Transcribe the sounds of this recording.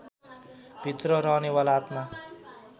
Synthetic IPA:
b̥ʱit̪rʌɾʌɦnewalaːt̪ma

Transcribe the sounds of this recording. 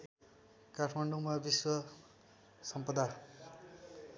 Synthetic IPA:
kaʈʰmaɳɖumabiswʌ | sʌmpʌd̪a

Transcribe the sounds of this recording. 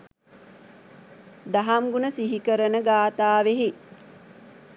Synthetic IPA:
d̪aɦamɡunəsiɦikəɾənəɡaːt̪aːʋeɦe

